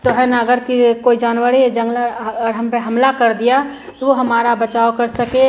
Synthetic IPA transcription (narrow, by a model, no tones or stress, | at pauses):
t̪oɦɛnaːɡəɾkikoːid͡ʒaːnwəɾied͡ʒə̃ŋɡləɾɦɐmpəɦɐmlakəɾd̪ija | t̪oʋoɦɐmaːɾabət͡ʃaːokəɾsəke